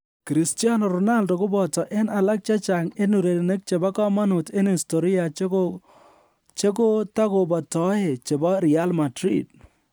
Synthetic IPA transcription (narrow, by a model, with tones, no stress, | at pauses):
ki˨ɾi˨stia˦nɔ˨ɾɔ˨na˦ldo˨kʊ˦bɔ˨tɔ˨ʔe˦na˨la˦k̚t͡ʃa˦t͡ʃa˨ŋe˦nu˨ɾe˨ɾne˦k̚t͡ʃe˨ba˦kɔ˦ma˦nu˨te˦ni˨sto˨ɾi˦a˨t͡ʃo | t͡ʃe˦ko˦ta˦ko˨bɔ˨tɔ˦e˨t͡ʃe˨bɔ˦ɾi˨a˦lma˨tɾḭ˨t̚